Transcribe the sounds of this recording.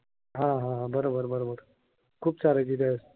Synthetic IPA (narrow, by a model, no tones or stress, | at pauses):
ɦãɦãɦãbəɾobəɾbəɾobəɾ | kʰuːp̚t͡saɾəɡid̪aəs